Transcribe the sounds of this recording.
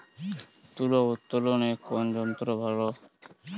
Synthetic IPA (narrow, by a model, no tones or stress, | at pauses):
t̪ulout̪ːolonekond͡ʑɔnt̪ɾobʱalo